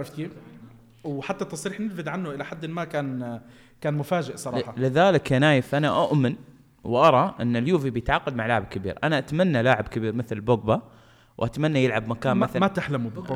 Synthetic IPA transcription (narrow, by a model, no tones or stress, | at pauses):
fkeː | wħat̪ːat̪ːɑsˤɾiːħnɪlfɪd̪ʕanːʊʔɪlaħad̪ːɪmakaːn | kaːnmʊfaːd͡ʒɪʔsˤɑɾˤɑħɑlɪðaːlɪkanaːjɪfʔanaʔʊʔmɪn | wʔɑɾˤɑʔɪnːaljuːvibɪjɪt̪ʕaːqɑd̪̚maʕlaːʕɪb̚kɪbḭːɾʔanaʔat̪manːalaːʕɪbkɪbiːɾmɪθlbʊɡba | wʔat̪manːajɪlʕabmakaːnmɪθmat̪aħlamub